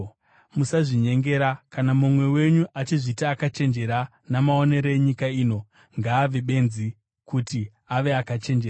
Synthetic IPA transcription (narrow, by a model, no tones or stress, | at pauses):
musaʐiɲe̞ŋɡe̞ɾakanamumwe̞we̞ɲuʔat͡ʃiʐitaːkat͡ʃe̞nd͡ʒe̞ɾa | namao̞ne̞ɾeeɲikaiːno̞ | ŋɡaːʋeɓe̞nzi | kuti | aʋe̞akat͡ʃe̞nd͡ʒera